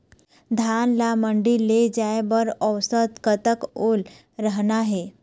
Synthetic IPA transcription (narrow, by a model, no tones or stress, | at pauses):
d̪ʱanlaməɳɖilːed͡ʑajbəɾəwsət̪kət̪əkol | ɾəɦnaɦe